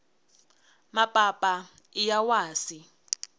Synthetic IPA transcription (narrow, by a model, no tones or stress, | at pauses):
mapʼapʼa | ijawaːsi